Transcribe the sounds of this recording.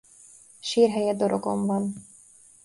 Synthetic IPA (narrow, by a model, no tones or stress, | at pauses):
ʃiːɾɦɛjed̪oɾoko̰mvɑn